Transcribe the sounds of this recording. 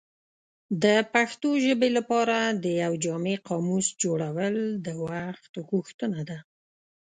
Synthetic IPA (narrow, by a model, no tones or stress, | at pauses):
d̪əpaxt̪oʒəbelapɑɾad̪əjawd͡ʒɑmeqɑmusd͡ʒoɽawəld̪əwaxt̪ɣuxt̪ənad̪a